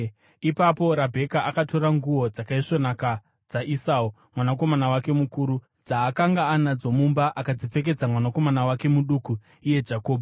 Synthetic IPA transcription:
ipapo̞ɾabʱe̞kaʔakato̞ɾaŋɡuwo̞d͡zakaiʂo̞naka | d͡zaʔisau | mwanako̞manawake̞mukuːɾu | d͡zaːkaŋɡaːnad͡zo̞mumbaʔakad͡zip͡fe̞k̬e̞d͡zamwanako̞manawake̞muɗuku | ije̞d͡ʒako̞ːbʱa

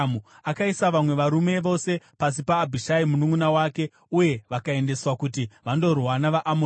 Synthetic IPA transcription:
u | akaisaʋamwe̞ʋaɾume̞ʋo̞se̞pas̬ipaːbʱiʃaimunuŋunawaːke̞ | uje̞ʋakae̞nde̞swakutiʋando̞rwanaʋaʔamo

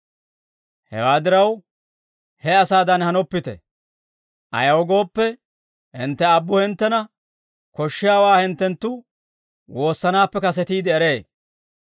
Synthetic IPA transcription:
hɛ̰waːd̪ɪɾɐw | hɛɐsaːd̪ɐnhɐnɔpːɪt̪ɛ̰ | ʔɐ̰jɐwɔɡo̞ːpːɛ | hɪnt̪ːɛɐbːʊhɪnt̪ːɛnɐ | kɔʃːɪjaːwaːhɪnt̪ːɛnt̪ːʊ | wo̞ːsːɐnaːpːɛkɐs̬ɛt̪iːd̪ɪːɾe̞ː

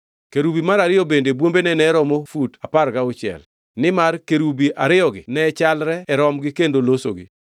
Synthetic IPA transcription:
keɾubimaɾaɾɪjɔbendebwombenɛnɛɾɔmofutaparkaʊt͡ʃɪɛ̰l | nɪmarkeɾubiʔaɾɪjɔɡɪnɛt͡ʃalɾɛːɾɔmɡɪkendolosoɡḭ

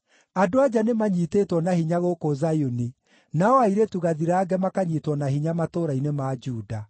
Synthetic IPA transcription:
adoad͡ʒanemaɲiteːtwɔnahiɲaɣokozajoni | naɔaiɾetuɣaðiɾaːɡɛmakaɲitwɔnahiɲamatoɾainemaːd͡ʒuːda

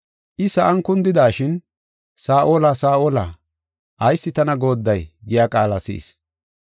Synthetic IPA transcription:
ʔɪsɐʔɐŋkʊnd̪ɪd̪aːʃɪn | saːʔoːlɐsaːʔoːlɐ̰ | ʔɐjsːɪt̪ɐnɐɡo̞ːd̪ːɐjɡɪjaːkʼaːlɐsḭːs

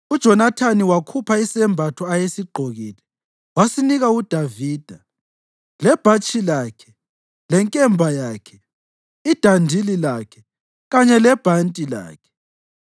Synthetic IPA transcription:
ud̥ʒ̥ʱɔnatʰaniwakʰupʰaisɛmbʱatʰɔajesiɡ͡ǃʱoɣiːlɛ | wasiniɣaud̥ʱaviːd̥ʱa | lɛb̥ʱat͡ʃʰʼilaːkʰɛ | lɛŋkʼɛmbʱajaːkʰɛ | id̥ʱandʱililaːkʰɛ | ɣaɲɛlɛb̥ʱantʼila̰ːkʰɛ̥

